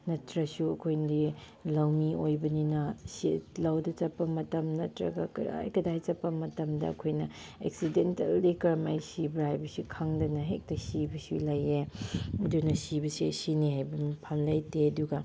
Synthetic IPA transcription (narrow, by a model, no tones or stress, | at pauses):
nɐtɾɐsuɐkʰojndi | lawniojbɐninɐsilawdɐt͡ʃɐpːɐmɐtɐmnɐtɾɐ̰ɡɐa̰jkɐdajt͡ʃɐpːɐmɐtɐmdɐ̰ɐ̰kʰojnɐ | ḛksidentɐldikɐɾɐma̰jsibɾajbɐsukʰaŋdɐnɐɦḛk̚tɐsibɐsulajeɐdunɐsibɐsiɐ̰sinihajbɐmpʰamlajteɐduɡɐ